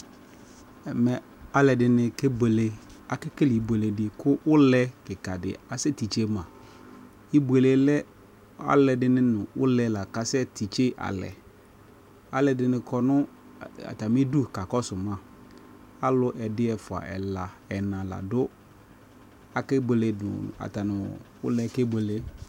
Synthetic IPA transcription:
ɛ˨mɛ˨ | a˦lɛ˨dɪ˨nɪ̃˨ke˦be˨le˨a˨kɪ˦kɪ˦li˨bu˨e˨le˨dɪ˨kʰʊ˦wʊ˦lɛ˦kɪ˨ka˨dɪ̰˨a˨sɛ˦ti˨t͡ʃe˦mã˨ | i˦bu˨e˨le˨lɛ˦ | a̰˦lɛ˨dɪ˦nɪ̃˦nʊ̃˨wʊ̰˦lɛ˨la˨ka˨sɛ˦tʰi˨t͡ʃe˦ʔa̰˨lɛ̰˨ | a˨lɛ˨dɪ˨nɪ̃˨kʰɔ˦nʊ̃˦ | a̰˨ta˨mɪ˦du˦˨ka˨kɔ˦sʊ˨mã˦ | a˦lʊ˦ʔɛ˨dɪ˦ɛ˨fʊ˨a̰˨ʔɛ̰˨la˨ɛ˨nã˨la̰˨dʊ˦ | a˨kɪ˦be˨le˨ʊ̰˨a̰˨ta˨nɪ˨wʊ̰˦lɛ˦ke˦bʷe˨le˦

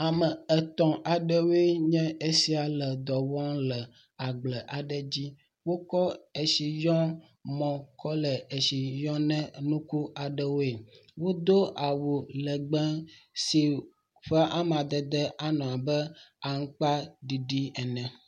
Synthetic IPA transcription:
a˨mə˨ɛ˨t̪ɔ̃˨ʔa˨ɖə˦wo˦e˦ɲɛ̃˦e˦si˦a˨lɛ˨d̪ɔ˨wɔ̃˦ŋlɛ˨ | a˨ɡ͡blɛ˨ʔa˨ɖɛ˦d͡ʑi˦ | wo˦kɔ˦e˨ʃi˨jɔ̃˦ | mɔ̃˨kɔ˦lɛ˨e˨ʃi˨jɔ̃˦nɛ̃˦nũ˦ku˦a˨ɖə˦wo˦e˨wo˦d̪o˦ʔa˨wu˨lɛ˨ɡ͡bɛ̃˦si˨ | ɸɛ˦ʔa˦m˨a˨d̪ɛ˨d̪ɛ˦ʔa˦nɔ̃˨a˨bɛ˦a˨ŋ̩˦k͡pa˦ɖi˨ɖi˦ɛ˨nɛ̃˨

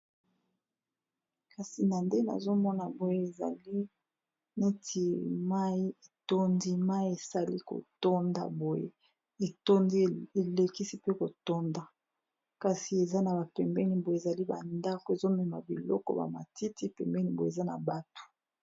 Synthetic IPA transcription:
ka˨si˨na˨nde˦na̰˨zo˦mɔ˦na˨bo˦je˦e˨za̰˨li˦ | ne˦tʰi˨ma˦i˦e˨to˦ndi˦ma˦i˦e˨sa˦li˦ko̰˨to˦nda̰˨bo˦jḛ˦ | e˨to˦ndi˦˨e˨le˨ki˦si˦pe˦ko˨to˦nda˨ | ka˨si˨e˨za˦na˨ba˨pɛ˨mbɛ˦ni˨bo˨˦e˨za˨li˦ba̰˨nda˦ko˨e˨zo˦mɛ˨ma̰˨bḭ˨lɔ̰˦kɔ̰˦ba̰˨ma̰˨ti˦ti˦pɛ˨mbɛ˦ni˦bo˨e˨za˦na̰˨ba˨to̥˨

